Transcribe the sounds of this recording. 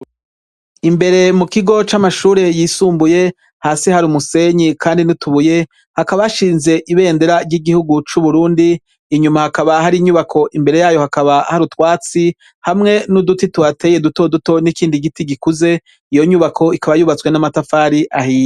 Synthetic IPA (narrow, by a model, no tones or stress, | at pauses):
imbe̞ɾe̞mukiɡo̞t͡ʃamaʃuːɾe̞jiːsuːmbuje̞ | haːsihaɾiumuse̞ɲikʰaːndinituβuje̞ | hakaβaaʃiːnze̞ʔiβe̞ːnde̞ɾaɾɟiɡihuɡut͡ʃuβuɾuːndiː | ɲumahakaβaɦaɾiɲuβakʰo̞ʔimbe̞ɾe̞jaːjo̞hakaβahaɾutwaːt͡si | hamŋe̞nudutituatʰe̞ːje̞duto̞duto̞nikiːndiɡitiɡikuze̞ | ijo̞ɲuβakʰo̞ikʰaβajuːβat͡swe̞namatafaːɾiʔahiːj